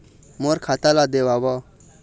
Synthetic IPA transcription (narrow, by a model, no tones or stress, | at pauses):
moɾkʰat̪alad̪ewabɔ